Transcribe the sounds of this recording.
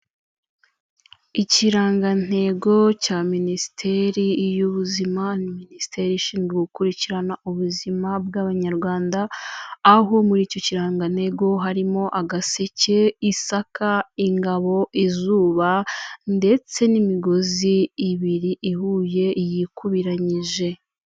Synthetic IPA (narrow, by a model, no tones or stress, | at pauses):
iciɾaːŋɡan̥e̞ɡo̞caːminisi̥tʰe̞ɾijuβuzimaniminisi̥tʰe̞ɾiiʃiːŋɡeɡukuɾiciɾanauβuzimab̚ɡaβaɲaɾɡwaːndaː | ɦo̞muɾiːco̞ciɾaːŋɡan̥he̞ɡo̞ɦaɾimo̞ʔaɡase̞ce̞isakʰaiŋɡaβo̞ʔizuːβande̞t͡se̞nimiɡo̞ziːβiɾiʔihuːje̞jikʰuβiɾaɲiʒe̞